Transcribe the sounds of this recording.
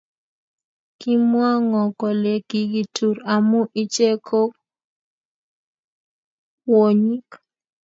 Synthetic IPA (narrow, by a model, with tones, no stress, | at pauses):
ki˦mwa˦ŋɔ˨kɔ˨le˨ɡi˨ɡi˨tu˨ɾa˨mʊ˦ʔi˦t͡ʃe˦kʰo˦k | wo˨ɲi˦k